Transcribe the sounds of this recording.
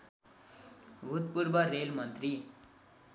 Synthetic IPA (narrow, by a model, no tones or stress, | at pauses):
ʋut̪puɾbəɾelmʌnt̪ɾi